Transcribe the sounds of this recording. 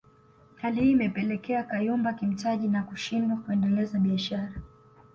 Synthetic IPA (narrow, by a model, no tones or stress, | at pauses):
halihiːmɛpɛlɛkɛakajumbakim̩taʄinakuʃindwakuɛndɛlɛzaɓiaʃaɾa